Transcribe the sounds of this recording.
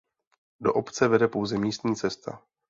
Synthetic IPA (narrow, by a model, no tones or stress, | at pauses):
do̞ʔopt͡sɛvɛdɛpo̞wzɛmiːst̪ɲiːt͡sɛst̪a̰